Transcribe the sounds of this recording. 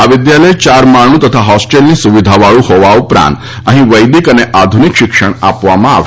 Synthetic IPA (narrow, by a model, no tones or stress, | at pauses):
aʋid̪jaləjt͡ɕaɾmaɳ̃uːt̪ət̪ʰaɦɔsʈelniːsuʋid̪ʱaʋaɭũːhoʋaupɾã̰nt̪ | aɦĩʋəjd̪ikəneʔad̪ʱunikɕikʂəɳa̰pʋamaa̰